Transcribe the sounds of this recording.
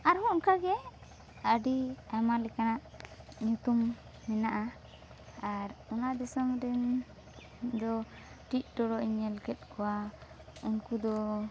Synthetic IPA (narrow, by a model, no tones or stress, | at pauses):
aɾhɔɔnkaɡɛ | əɖiamalɛkanaʔɲut̪umː | ɛnaʔaː | ɾunaʔd̪ɛsɔmɾɛn | d̪ɔ | ʈit̪̚ˀɖɔɽɔʔiɲɛlkɛt̪̚kɔwa | unkud̪ɔ